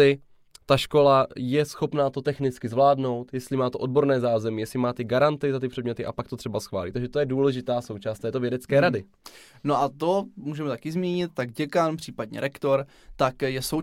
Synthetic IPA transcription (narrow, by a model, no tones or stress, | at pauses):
ɪ | t̪aʃko̞lajɛsxo̞pnaːt̪ot̪ɛxnɪt͡skɪzvlaːdno̞wt̪jɛst̪lɪmaːt̪oʔo̞d̚bo̞ɾnɛːzaːzɛmɪjɛsɪmaːt̪ɪɡaɾant̪ɪzat̪ɪpr̥ɛdmɲɛt̪ɪʔapakt̪o̞t̪r̝̥ɛbasxva̰ːlḭt̪aɡʒɛt̪o̞jɛduːlɛʒɪt̪aːso̞wt͡ʃaːst̪aɛːt̪ovjɛdɛt͡skɛːɾadɪ | noʔat̪omuːʒɛmɛt̪akɪzmiːɲɪt̪̚t̪aɡɟɛkanpr̥iːpad̪̚ɲɛ̰ɾʔɛkt̪oɾ | t̪akjɛso